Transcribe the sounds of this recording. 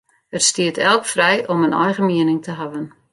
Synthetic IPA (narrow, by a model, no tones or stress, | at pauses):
ərstiətɛlˠkfrɛjʔɔmənɔjɣəmiənɪŋtʰəɦavən